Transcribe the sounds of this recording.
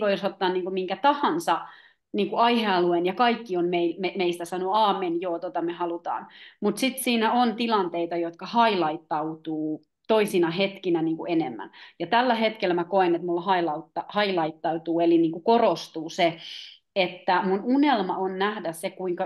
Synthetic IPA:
ʋoisot̪ːɑːnniːŋkumiŋkæt̪ɑhɑnsɑ | niːŋkuɑiheɑluenjɑkɑikːionmeilmemeist̪æsɑnuɑːmenjoːt̪ot̪ɑmehɑlut̪ɑ̰ːnmut̪sit̪siːnæont̪ilɑnt̪eit̪ɑjot̪kɑhɑilɑit̪ːɑut̪uː | t̪oisinɑɦet̪kinæniːŋkuenemːæ̰njɑt̪ælːæhet̪kelːæmækoenet̪mulhɑilɑut̪ːɑhɑilɑit̪ːɑut̪uːeliniːŋkukorost̪uːse | et̪ːæmununelmɑonnæhdæsekuiŋkɑ

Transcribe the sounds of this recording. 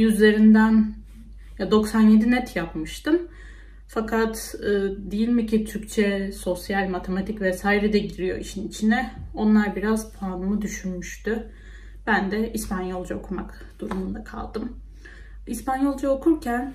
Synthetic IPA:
jyzlʲe̞ɾind̪æn | jad̪o̞ksanje̞d̪inɛt̪ʰjapmɯʃt̪ɯm | fakʰat̪ɯːd̪ejilʲmicʰit̪ʰyɾct͡ʃʰɛso̞sjalʲmat̪ʰe̞mat̪ʰicvɛsaːiɾɛd̪ɛɟiɾijo̞̰iʃinit͡ʃʰinɛo̞nlˠaɾbiɾazpʰlaːnɯmɯd̪yʃynmyʃt̪y | b̥ænd̪ɛʔispanjo̞lˠd͡ʒao̰kʰumak | d̪̥uɾumund̪akʰa̰lˠd̪ɯm | ispanjo̞lˠd͡ʒaokʰuɾcʰæn

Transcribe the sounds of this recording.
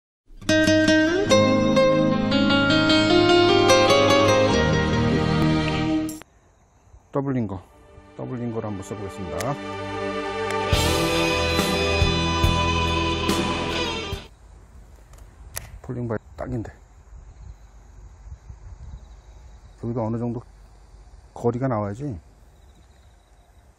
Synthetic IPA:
tʌbuɭːiŋɡʌ | tʌbuɭːiŋɡʌɾanmːos͈ʰɯbɡes͈ɯmɲida | pʰuʎːiŋbat͈a̰ɡinde | kɯɡiɡʌʌnɯd͡ʑʌŋdo | kʌɾiɡanawajad͡ʑi

